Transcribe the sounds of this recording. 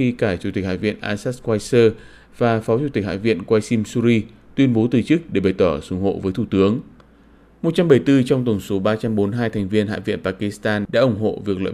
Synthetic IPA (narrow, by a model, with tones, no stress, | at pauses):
i˧kaː˧˩t͡ɕu˧˩i˨˩k̟ha̰ː˧˨vḭ˧˨ənʔaː˧saː˦˥t̚kwaː˧jsəː˧ | vaː˨˩fɔ˨˦wt͡ɕu˧˩t̪i˨˩k̟ha̰ː˧˨vḭ˧˨ənkwaː˧jsi˧msu˧ɾi˧ | t̪wi˧ənɓo˨˦t̪ɨ˨˩t͡ɕɨ˦˥k̚ɗe˧˩ɓa˨˩jt̪ɔː˧˩sʊ˧˩ŋ͡mho̰˧˨vəː˨˦jt̪ʰu˧˩t̪ɨ˨˦əŋ | mo˨˩t̚t͡ɕa˧mɓə˧˩jt̪ɨ˧t͡ɕɔ˧wŋ͡mt̪ə˧˩wŋ͡mso˨˦ɓaː˧t͡ɕa˧mɓo˨˦nɦaː˧jt̪ʰɛ˨˩jŋ̟vi˧ənɦa̰ː˧˨vḭ˧˨ənpaː˧ki˧˥st̪aː˧nɗa̰ː˧˥ʔʊ˧˩ŋ͡mɦo̰˧˨vi˨˩ək̚lə̰ː˧˨